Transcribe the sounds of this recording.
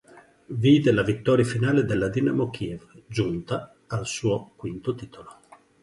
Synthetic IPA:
viːd̪elavit̪ːɔːɾjafinaːled̪elːad̪inamok̟ievd͡ʒunt̪aː | lsuːokwint̪ot̪iːt̪ʰolo

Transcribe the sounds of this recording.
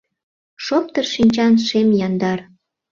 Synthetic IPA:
ʃop̚t̪ərʃinʲt͡ɕɑnʃemjɑnd̪ɑr

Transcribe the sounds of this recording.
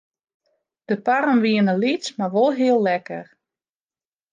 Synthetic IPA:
d̥əpaɾənʋiənəlit͡smaʋolˠɦiəlˠːɛkə̰r

